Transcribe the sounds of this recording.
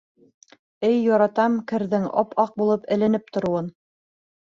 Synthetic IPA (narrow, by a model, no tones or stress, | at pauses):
ɘjːɑɾɑt̪ɑmkɘ̆ɾðɘŋɑ̰pʰɑq̚bulˠɤpɘ̆lɘ̆nɘp̚t̪ŏɾuwɤn